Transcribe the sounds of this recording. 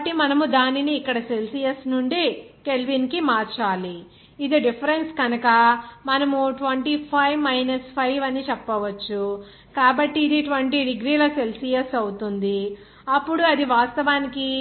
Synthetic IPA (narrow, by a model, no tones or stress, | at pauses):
ʈːimɐnɐmud̪aːniniːkːɐɽɐse̞lsijesnuɳɖikelʋinkimaːɾt͡ʃaːli | id̪eɖipʰɐɾe̞nsɡɐnɐkɐmɐnɐmuʈʋɐɳʈipʰɐjʋmɐjnɐspʰɐjʋɐnit͡ʃɛpːɐʋɐt͡ʃːu | kaːbɐʈːiːd̪iʈʋɐɳʈiɖiɡɾiːlɐse̞lsijesɐwut̪und̪i | ɐpːuɽuɐd̪iʋaːst̪ɐʋaːniki